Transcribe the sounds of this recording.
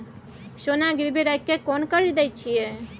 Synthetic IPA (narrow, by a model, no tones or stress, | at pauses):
ʃonaɡɪɾbiɾajkːekɔnkəɾid̪ɛjt͡ʃʰije